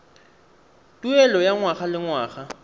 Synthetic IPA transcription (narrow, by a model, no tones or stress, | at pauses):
tʼuɛlɔjaŋwaχalɪŋwaːχa